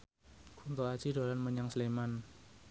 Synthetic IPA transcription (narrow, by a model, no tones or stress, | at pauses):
kunt̪oat͡ʃidolanməɲaŋsleman